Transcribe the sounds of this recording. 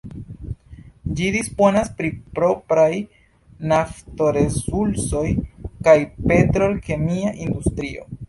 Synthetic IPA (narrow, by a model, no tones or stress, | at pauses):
d͡ʒid̪ispo̞naspɾipɾo̞pɾaj | naft̪o̞ɾesulso̞jkajpe̞t̪ɾolke̞miaʔind̪ust̪ɾio̞̰